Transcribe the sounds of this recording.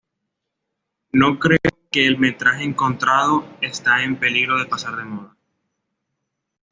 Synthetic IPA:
no̞kɾeoke̞ːlme̞t̪ɾaxeeŋko̞nt̪ɾaðo̞est̪ae̞mpe̞liɣɾo̞ðe̞pasaɾðe̞moða

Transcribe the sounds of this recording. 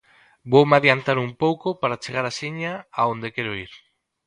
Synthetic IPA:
bowmaðjant̪aɾumpowkopaɾat͡ʃeɣaɾaseɲaaond̪ekeɾoiɾ

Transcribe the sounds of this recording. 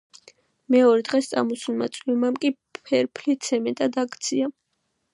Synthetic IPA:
mɛɔɾɛd̪ʁɛst̪sʼa̰mɔsulˠmat̪sʼwimamkʼi | ɛɾpʰlit̪sʰɛmɛt̪ʼad̪akʰʼt̪sʰia

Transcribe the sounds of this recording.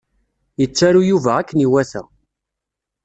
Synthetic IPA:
jət͡sːæɾujuvæækːəniwæθæ̰

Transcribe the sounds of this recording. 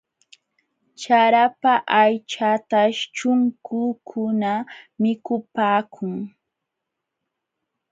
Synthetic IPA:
t͡ʃaɾapaʔajt͡ʃat̪aʃt͡ʃʊŋkʰʊːkʰʊnamɪkʊpaːkʰʊŋ

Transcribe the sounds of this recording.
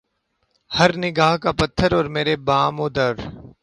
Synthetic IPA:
həɾnɪɡaːɦkapət̪ʰːəɾɔːɾmeːɾebaːmoːd̪əɾ

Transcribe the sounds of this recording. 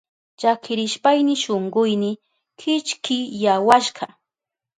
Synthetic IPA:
t͡ʃakʰɪɾɪʃpajnɪʃoɴɢʊjnɪ | kʰɪt͡ʃkɪjawaʃɢɑ

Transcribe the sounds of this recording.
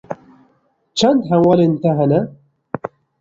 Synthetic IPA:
t͡ʃant̪ħawalint̪aɦana

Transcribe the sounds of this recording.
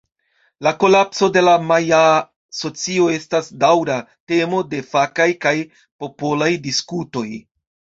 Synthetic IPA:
lako̞lapso̞de̞lamaja | so̞t͡sio̞e̞stasdawɾa | te̞mo̞de̞fakajkaj | po̞po̞lajdiskuto̞j

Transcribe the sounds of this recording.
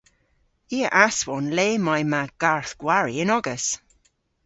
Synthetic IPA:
iːəʔaswɔnleːmajmaɡ̥aɹθɡ̥waɹiɪnɔɡəs

